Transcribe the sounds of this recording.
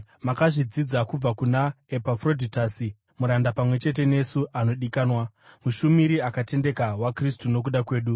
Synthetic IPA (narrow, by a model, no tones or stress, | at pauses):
makaʐid͡zid͡zakub͡vakunae̞pafro̞dʱitasi | muɾandapamwe̞t͡ʃe̞t̬e̞ne̞suʔano̞ɗikaːnwa | muʃumiɾiakate̞nde̞kawakristuno̞k̬uɗakwe̞ːɗu